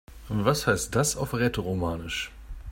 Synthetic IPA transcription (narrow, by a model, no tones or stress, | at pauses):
ʔʊntv̥ashaɪst̚d̥asaʊfʁɛtʰəʁomaːnɪʃ